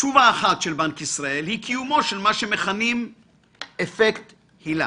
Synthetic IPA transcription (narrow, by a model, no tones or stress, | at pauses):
t͡ʃuvaːχat̪ʃelbankisʁae̞lhikʰijumo̞ʃelmaʃe̞me̞χanim | efekt̪ | hila̰